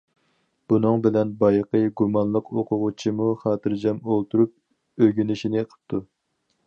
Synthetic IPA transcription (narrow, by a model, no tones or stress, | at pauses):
b̥unɨŋbɪlɛnbɑjqəɡumɑnlˠəqoqʰʊʁʊt͡ʃʰimuχɑːt̪ʰɨɾd͡ʒɑmolˠt̪ʰuɾup̚ | øɡʲynɪʃinɪqʰə̥p̚t̪ʰu